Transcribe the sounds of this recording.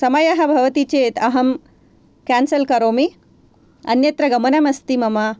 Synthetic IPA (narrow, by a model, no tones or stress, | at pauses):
sɐmajaɦabʱɐʋt̪it͡ɕet̪ɐɦɐm | kænsəlkɐɾomi | ɐ̰njɐt̪ɾɐɡɐmənɐmɐst̪imɐma